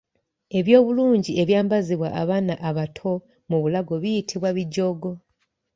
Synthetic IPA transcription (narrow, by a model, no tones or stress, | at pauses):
e̞βjo̞ːβuluːɲɟie̞βjaːmbaziβwa̰ʔaβaːnaʔaβatʰo̞ | muβulaɡo̞βijitʰiβwaβiɟːo̞ːɡo̞